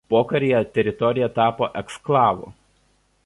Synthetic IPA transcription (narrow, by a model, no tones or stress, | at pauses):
poːkɐɾʲɪjɛt̪ʲɛɾʲɪt̪ɔɾʲɪjɛt̪ɑːpoːʔɛksklˠɑːʋo̰ː